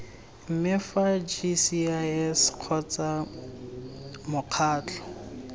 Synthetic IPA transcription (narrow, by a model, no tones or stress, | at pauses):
m̩mɪfad͡ʒisiasq͡χʰɔt͡sa | mʊq͡χʰaːt͡ɬʰʼɔ̥